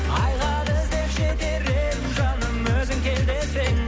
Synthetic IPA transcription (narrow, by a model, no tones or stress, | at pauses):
ɑjʁɑd̪əzd̪epʃed̪eɾeɪnʒɑnəmwɵzɪŋkʲʰe̞ld̪esej